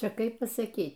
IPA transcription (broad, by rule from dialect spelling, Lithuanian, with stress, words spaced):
ˈt͡ʃʲɛ ˈkɐɪp pɐsɐˈkʲiːtʲ